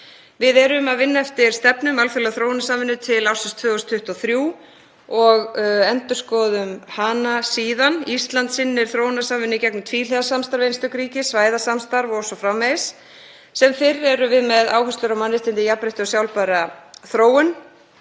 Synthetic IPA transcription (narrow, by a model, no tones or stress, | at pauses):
vɪðɛɾʏmaðvɪnːaɛft̪ɪɾ̥st̪ɛpnʏmalfʏɾlɛɣθɾoːwnasamvɪnːʏt̪ʰɪlawsʏnst̪ʰvœːɔst̪ʰʏht̪aθɾjuː | ɔɣɛnt̪ʏ̥skɔːðʏmhaːnasiːðanist̪lant̪sɪnːɪɾ̥θɾownasaːmvɪnːʏicɛknʏmt̪ʰviːleðasamst̪aɾvejnst̪œkɾiːcɪsvaːjðasamst̪aɾvɔsɔfɾamːejs | sɛmfɪɾɛɾʏvɪðmɛða̰ːwhœst̪ʏɾawmanːɪst̪ɪnt̪ɪjapɾeht̪ʏɔsjawlpaɾaθɾoːwʏn